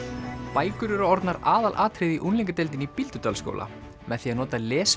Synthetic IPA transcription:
paːjkʏɾʏɾaɔɾt̪naɾaːðalʔaːt̪ʰɾɪðiʔunliŋkat̪ɛlt̪̬ɪnipilt̪ʏt̪alsko̰ːwlʔa̰ | mɛðθiːaðnɔːt̪alɛːs

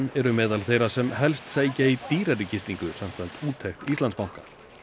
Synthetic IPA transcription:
nɛɾʏmɛːðalθejɾasɛmɦɛlst̪seːjcait̪iːɾaricɪst̪iŋkʏsam̥kʰam̥t̪uːt̪ʰɛxt̪ist̪anspawŋ̥ka

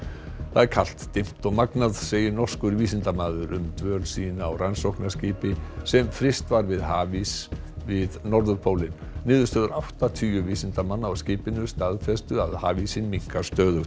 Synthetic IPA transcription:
θaðɛɾ̥kʰal̥t̪ːɪm̥t̪ɔɣmaknaðseːjɪnɔr̥skʏɾviːsɪnt̪amaːðʏɾʏ̰mt̪vœːɾlsiːnaɔ̰wransowhknasciːpɪsɛmfɾɪst̪vaɾvɪðhaːvis | vɪðnɔɾðʏɾpʰowlɪn | nɪːðʏɾst̪œːðʏɾʔawht̪at̪ʰyːjʏviːsɪnt̪amanːaɔscɪːpɪnʏst̪aðfɛst̪ʏaðha̰ːvisɪnmiŋkḁst̪œːðʏ

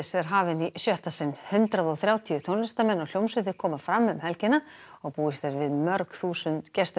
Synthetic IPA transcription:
sɛðaɾ̥ɦaːvɪnisjœht̪asɪnhʏnt̪ɾaðɔɣθɾjaːwt̪ʰiʏθʰownlɪst̪amɛnːawl̥owmsɪt̪̬ɪɾ̥kʰɔːmafɾamːʏmhɛlcɪna | ɔɣpuːɪst̪ɛɾvɪðmœɾkθuːsʏnt̪cɛst̪

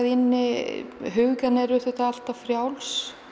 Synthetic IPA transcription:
ðɪnːɪɦʏɣkanɛɾʏθʏht̪aal̥t̪afɾjawls

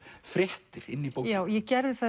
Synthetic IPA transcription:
fɾjɛht̪ɪɾɪ̰nːipowjaːwjɛcɛɾðɪθa

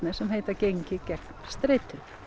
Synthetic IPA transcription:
nɛ̥sɛmɦeːjt̪acejɲcɪcɛknst̪ɾejt̪ʏɾ

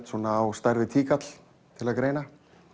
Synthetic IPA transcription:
t̪suːnaːwst̪ajɾvɪt̪ʰiːkat̪l̥ | t̪ʰɪlaðkɾeːjna

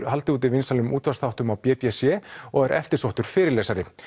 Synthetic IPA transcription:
ɾhalt̪ɪuːt̪̬ɪvɪnsalʏmuːt̪vasθawht̪ʏmawpjɛːpjɛsjɛɔɣɛɾʔɛ̰ft̪ɪɾ̥sowht̪ʏɾ̥fɪːɾɪɾlɛːsaɾɪ

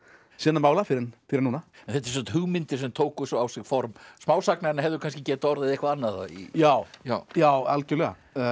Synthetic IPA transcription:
sɛːnamaːwlafɪɾɪnfɪːɾɪnuːnaɛ̃nθɛt̪ːɪɾs̬ɔt̪ɦʏɣmɪnt̪ɪɾ̥s̬ɛmt̪ʰoːwkʏsɔawsɪɣfɔɾmsmaːwsaknaɾɪnaɦɛvðʏkʰanscɪcɛːt̪aɔɾðɪðehkvaanːaða̰ḭjaːwjaːwalcɛɾlɛɣa̰

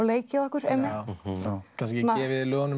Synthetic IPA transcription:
wleːjcɪaɔhkʏɾ̥ejmːɪhwkʰans̬cɛaɛːvɪðilœːɣɔnʏ

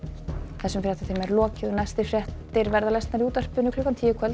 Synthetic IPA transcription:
θɛsʏmfɾjɛht̪at̪ʰeːjmaɛɾlɔːcɪðʏnajst̪ɪfɾjɛht̪ɪɾvɛɾðalɛst̪naɾiuːt̪ar̥pʏnʏkʰlʏːkant̪ʰiːjɪkʰɛl

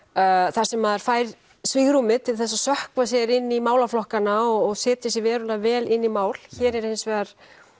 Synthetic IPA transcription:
θḁsɛmːaðaɾ̥faːjɾ | sviɣɾumɪt̪ʰɪlθɛs̬ːasœhkvas̬jɛɾɪnːimaːwlaflɔhkanaɔɣɔɣsɪːt̪ɪsjɪvɛːɾʏlavɛːlɪnːimaːwl̥çɛːɾɛɾensvɛːɣaɾ̥

